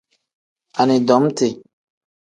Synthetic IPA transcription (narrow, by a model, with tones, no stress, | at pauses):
a˨nĩ˨dɔ˨˦mte˨